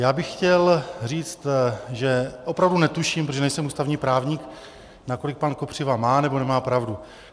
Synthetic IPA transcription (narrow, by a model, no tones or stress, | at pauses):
jaːbɪxxcɛlriːt͡st̪ʒɛʔo̞pɾavdunɛt̪uʃiːmpɾtoʒɛnɛjsɛmuːst̪avɲiːpɾaːvɲik | nako̞lɪk̚panko̞pr̝̥ɪvamaːnɛbo̞nɛmaːpɾavdu